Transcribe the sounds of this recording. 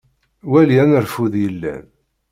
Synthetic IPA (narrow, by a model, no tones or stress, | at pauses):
wæljænəɾfuðjəlːæ̰n